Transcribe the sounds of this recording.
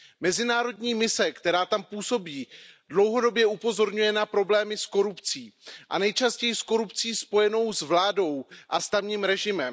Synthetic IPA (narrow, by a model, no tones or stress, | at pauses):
mɛzɪnaːɾo̞dɲiːmɪsɛkt̪ɛɾaːt̪ampuːso̞biːdlo̞wɦo̞do̞bjɛʔupo̞zo̞ɾɲujɛnapɾo̞blɛːmɪsko̞ɾupt͡siːʔa̰nɛjt͡ʃascɛjɪsko̞ɾupt͡siːspo̞jɛno̞wzvlaːdo̞wʔast̪avɲiːmɾɛʒɪmɛm